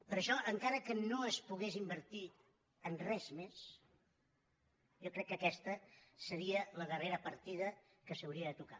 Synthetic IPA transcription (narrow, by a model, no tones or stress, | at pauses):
pəɾʃɔʔəŋkaɾəkənoəspuɣezimbəɾt̪i | ənrɛzmes | jɔkɾɛkːəkɛst̪əsəɾiələðəreɾəpəɾt̪iðə | kəsəwɾiəðət̪uka